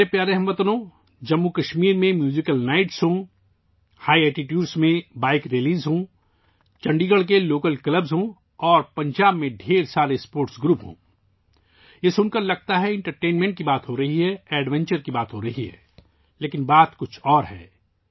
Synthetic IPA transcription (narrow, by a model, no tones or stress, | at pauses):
epjaːɾeɦɐ̃mʋɐt̪nõ | d͡ʒɐmːukɐʃmiːɾmẽmjuːzɪkəlnaːɪʈsɦõ | haːiɛːʈiʈjuːɖsmẽbaːɪkɾeliːzɦõ | t͡ʃɐ̃ɳɖiːɡəɽk̬eloːkəlkləbzɦõ | ɔːɾpɐ̃ɲd͡ʒaːbmẽɖʱeːɾsaːɾespoːɾʈsɡɾuːpɦõ̰ː | ɪsʊnkɐɾlɐɡ̚t̪aɦɛɪ̃ɳʈəɾʈeːnmẽɳʈ̚kibaːt̪ɦoɾɐɦiɦɛɛːɖʋɛ̃ɲt͡ʃəɾkibaːt̪ɦoɾɐɦiɦɛ̰ː | leːkɪnbaːt̪kʊt͡ʃʰɔːɾɦɛ̰ː